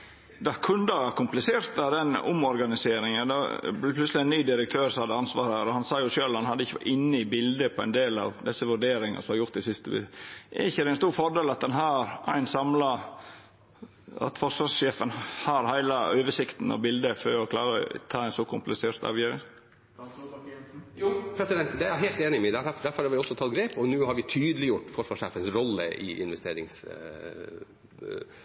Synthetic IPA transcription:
d̪ɑkʰʉnd̪əækʰʊmplɪseːɾt̪ɑd̪ɛnʊ̰mɔɾɡɑnɪseːɾɪŋənd̪ɔ̰blɪpʰlʉslɪɛɪnnyːd̪ɪɾək̚t̪ʰøːɾsɔmhɑd̪ːəɑnsʋɑːɾæːɾɔhɑnsɑːjʊʂøːlhɑnhɑd̪ːəɪçəɪnːəɪbɪld̪əpʰɔæɪnd̪eːlɑ̰ʋd̪ɛsːəʋʉɖeːɾɪŋɑ̰sɔmhɑɾjʊɾt̪ːɪsɪst̪əb̰ɛ̰ɾɪçːəd̪ɛæɪnst̪uːɾfɔɖeːlɑt̪̚d̪ɛnɦæːɾæ̰ɪnsɑmlɑ | ɑ̰t̪fɔʂʋɑʂʃeːfənhɑɾhæɪlɑøːʋəʂɪkt̪n̩ɑ̰bɪld̪əføɾɔkʰlɑːɾət̪ʰɑːæɪnsɔkʰʊmplɪseːɾt̪ɑ̰ːʋjøːɾɪ̰ŋ | jːpʰɾɛsɪd̪ɛnt̪d̪ɛæɾjɑɦeːlt̪eːnɪmɛd̪æɾd̪æɾfɔɾɑɾʋɪɔsːɔt̪ʰɑt̪̚ɡɾeːpɔnʉːhɑɾʋɪt̪ʰyːd̪əlɪjʊʈːfɔʂʋɑʂeːfənsɾɔlːə̰ɪ̰ʔɪ̰nʋɛst̪eːɾɪ̰ŋs

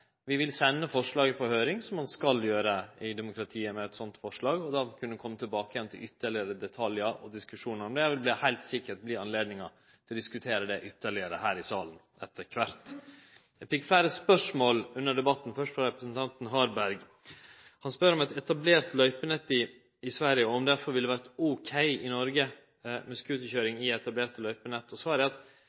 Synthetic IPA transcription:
ʋɪʋɪlsɛnːəfɔʂɭɑːɡəpʰɔhøːɾɪŋsɔmhɑnskɑljøːɾəɪd̪ɛmʊkɾɑt̪ʰiːəmɛɛt̪sɔnt̪fɔʂɭɑːɡɔd̪ɑːkʰʉnːəd̪kʰɔmːət̪ʰɪlbɑːkəjɛnt̪ʰɪlʏt̪ːəɭɪəɾəd̪ɛt̪ʰɑljəɾɔ̰d̪ɪskʉʂuːnəɾɔmd̪ɛjæʋɪlbliːhæɪlt̪sɪkːəʈ̚bliːɑnleːd̪nɪŋɑ | t̪ʰɪlɔd̪ɪskʉt̪ʰeːɾəd̪ɛʔʏt̪ʰːəɭɪəɾəhæːɾɪsɑːlən | ɛt̪ʰːəɾkʰʋɑɾt̪ | æɪfɪkːflæɪɾəspœʂmoːlʉnːəɖɛbɑt̪ːn̩fœʂʈ̪fɾɑɾɛpɾəsnt̪ʰɑnt̪nɦɑːɾbæɾɡ | hɑnspœɾɔmɛt̪ɛt̪ɑbleːɾt̪lœʏpənɛt̪ːɪ | ɪsʋæɾɪjəɔɔmd̪æɾfɔɾʋɪld̪əʋæɾt̪ɔkʰæɪɪnɔɾɡə | mɛskʉːt̪əçøːɾɪŋɪɛt̪ɑbleːɾt̪lœʏpənɛt̪ːɔsɔæɾɖɛɑt̪

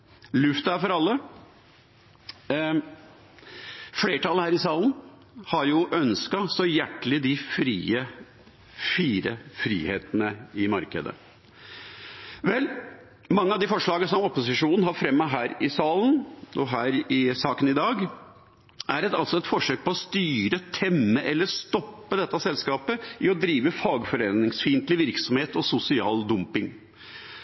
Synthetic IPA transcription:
lʉft̪əæɾfɔɾɑlːə | fleːʈʰɑlːəhæːɾɪsɑːln | hɑɾjʊʔœnskɑsɔjæʈːəlɪd̪ɪfɾiːə | fiːɾə̰fɾḭːhḛːt̪ənəɪmɑɾkə̰d̪ə̰ | ʋɛl | mɑŋːəɑʋd̪ɪfɔʂɭɑːɡəsɔmɔpʊsɪʂuːnn̩hɑɾfɾɛmːəɦæːɾɪsɑːlnɔɦæːɾɪsɑːkənɪd̪ɑːɡ | ʔæɾɛt̪ɑlsɔɛt̪fɔʂøːk̚pʰɔɔst̪yːɾət̪ʰɛmːəʔɛlːəʂt̪ɔpːəd̪ɛt̪ːɑsɛlskɑːpəɪɔd̪ɾiːʋəfɑːɡfɔɾeːnɪŋsfiːnt̪lɪʋɪɾksɔmheːt̪ɔsʊsɪɑ̰ːld̪ʊmpɪŋ

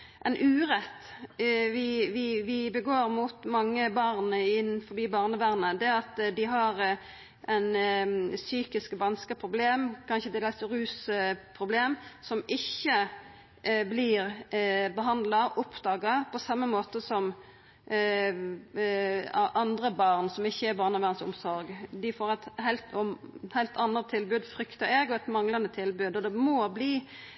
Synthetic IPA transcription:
ʔɛnʔʉːɾɛt̪ː | ʋɪʋɪʋɪbəɡoːɾmut̪mɑŋːəbɑʁnəɪnfɔɾbiːbɑːʁnəʋæːʁnəd̪ɛɑt̪d̪ɪɦɑʁ | ʔɛɪnsyːkɪskʋɑnskəpʰʁʊbleːmkʰɑnçəd̪ɪd̪ɛlsɾʉːspʰʁʊbleːmsɔmɪçːə | bliːʁbəɦɑnd̪lɑʔɔpʰd̪ɑːɡɑpʰɔsɑmːəmoːt̪əsɔm | ɑnd̪ʁəbɑːʁnsɔmɪçːəæɾbɑːʁnɑʋæʁnsɔ̰msɔɾɡd̪ɪfoːɾɛt̪hæɪlt̪ɔhæɪlt̪ʰɑnːət̪ʰːɪlbʉːd̪fɾʏkt̪ɑɛɡɔɛt̪mɑŋlɑnət̪ʰɪlbʉːd̪ɔd̪ɛmɔbliː

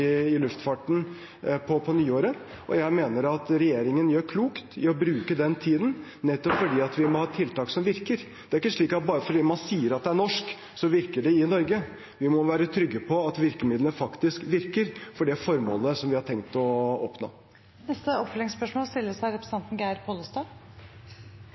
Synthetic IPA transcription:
ɪɪlʉft̪fɑʈɳ̩ | pʰɔpʰɔnyːoːɾə | ʔɔ̰jæɪmeːnəɾɑt̪ɾɛjeːɾɪŋənjøːɾkʰluːkt̪ɪɔbɾʉːkəd̪ɛnt̪ʰiːd̪n̩nɛt̪ːɔpfɔɖiːɑt̪ʋɪmɔhɑːt̪ʰɪlt̪ɑːksɔmʋɪɾkəɾ | d̪̥ɛæɾɪkːəʂɭiːkɑt̪̚bɑːɾəfɔɖiːmɑnsiːəɾɑt̪̚d̪ɛæɳɔʂk | sɔʋɪɾkəɖɛɪnɔɾɡə | ʋɪmɔʋæːɾət̪ʰɾʏɡːəpʰɔɑt̪ʋɪɾkəmɪd̪lənfɑkt̪ɪskʋɪɾkəɾfɔɖɛfɔɾmo̰ːləsɔmʋɪhɑʈʰɛŋkt̪ɔɔpno̰ː | nɛst̪əɔpfœlɪŋspœʂmoːlst̪ɪlːəsæɪɾɛpɾəs̩ɑnt̪n̩ɡæɪɾpʰoːləst̪ɑ

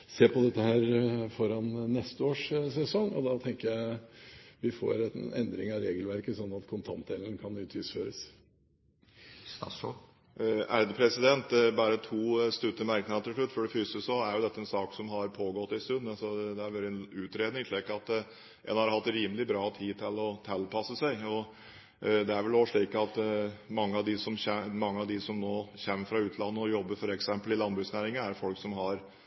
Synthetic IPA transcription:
seːpɔd̪ɛt̪ːəhæːɾfɔɾɑnːɛst̪əoːʂsɛsɔŋːɔ̰d̪ɑt̪ʰɛŋkəjæɪ | ʋɪfo̰ːɾɛɛ̰nd̪ɾɪŋɑɾeːɡəlʋæɾkəsɔnːɑt̪kʰʊnt̪ʰɑnt̪̚d̪eːlənəkʰɑnʉːt̪ʰɪsføːɾəs | æɾd̪əpʰɾɛsɪd̪ɛnt̪bæɾət̪ʰuːst̪ʉt̪ːəmæɾknɑt̪əfʉt̪ːfɔɖɛfʏsəsɔæɾjʊd̪ɛt̪ːəɛnsɑːksɔmɦɑɾpʰoːɡɔt̪ːɪst̪ʉnːsɔd̪ɛæɾʋøɾɛnʉːt̪ɾeːd̪nɪŋk̪lɛkːəɑt̪ | ʔɛ̰nhɑɾhɑt̪ːɾiːməlɪbɾɑːt̪ʰiːt̪ʰɪlɔt̪ʰɛlpʰɑsːəsæɪɔ | d̪ɛæɾʋɛloːʂɭiːkɑt̪mɑŋːəɑʋd̪ɪsɔmɛmɑŋːəɑʋd̪ɪsɔmnoːçɛmːəɾfɾɑʉːt̪ʰlɑnːəɔjɔbːəfɔɾɛksɛmpəlɪlɑnbɾʉːsnæːɾɪŋənæɾfɔlksɔmɦɑɾ

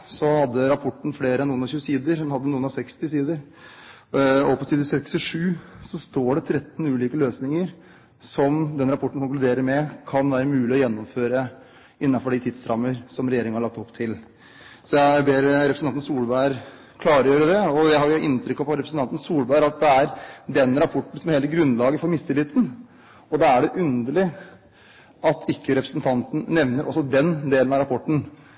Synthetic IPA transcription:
sɔhɑd̪ːəɾɑpʰɔʈːn̩fleːɾəɛnuːənɑɾçʉːsiːd̪əɾd̪ɛnhɑd̪ːənuːənɑsɛkst̪ɪsiːd̪əɾ | ɔpɔsiːd̪əsɛkst̪ɪʂʉːsɔst̪oːɖɛt̪ʰɾɛt̪ːnʉːliːkəløːsnɪŋəɾ | sɔmd̪ɛnɾɑpʰɔʈːəɳ̩kʊŋklʉd̪eːɾəɾmɛkʰɑnʋæːɾəmʉːlɪɔjɛnːɔmføːɾə | ɪnːɑfɔɖɪt̪ʰɪːd̪sɾɑmːəɾsɔmɾɛjeːɾɪŋnhɑɭɑk̚t̪ɔpːt̪ʰɪl | sɔjæɪbeːɾɾɛpɾəsɑnn̩suːlbæəɾ | kʰlɑːɾəjøːɾəd̪ɛɔd̪ɛhɑɾjʊʔɪnt̪ʰɾʏkːɑpʰɔɾɛpɾəsn̩ʰɑnt̪n̩suːlbæːɾɑt̪̚d̪ɛæɾd̪ɛnɾɑpʰɔʈːɳ̩sɔmheːləɡɾʉnlɑːɡəfɔɾmɪst̪ɪlɪt̪ːn | ɔd̪ɑæɖɛʔʉnd̪əɭɪ | ʔɑt̪ʰɪkːəɾɛpɾəsnt̪ʰɑnt̪n̩nɛʋnəɾʔɔsːɔd̪ɛnd̪eːlənɑɾɑpʰɔʈːɳ̩

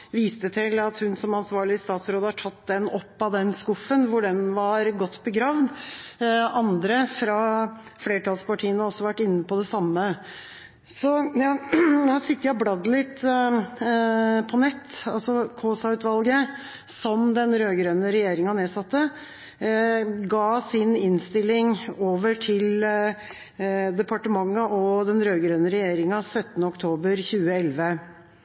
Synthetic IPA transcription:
ʋiːst̪ət̪ʰɪlɑt̪hʉnsɔmɑnsʋɑːɭɪəst̪ɑːt̪sɾoːd̪əhɑʈʰɑt̪d̪ɛnɔpːɑd̪ɛnskʊfːənʋʊɖɛnʋɑɾɡɔt̪ːbəɡɾɑːʋd̪ | ɑnd̪ɾəfɾɑfleːʈʰɑlspɑʈʰiːənɔɔsːɔʋæʈːɪnːəpɔd̪ɛsɑmːə | sɔɑnosɪt̪ːəjæblɑd̪lɪt̪ː | pʰɔnɛt̪ːɑ̰lsɔkʰoːsɑʉt̪ʋɑlɡə | sɔmd̪ɛnɾøːɡɾœnəɾɛjeːɾɪŋɑneːsɑt̪ːə | ɡɑːsɪnɪnst̪ɪlːɪŋoːʋəʈʰɪl | d̪ɛpʰɑʈəmɑŋːɑʔɔd̪ɛnɾøːɡɾœːnəɾɛjeːɾɪŋɑsœt̪ːənəɔkt̪ʰoːbəɾçʉːəɛlʋə

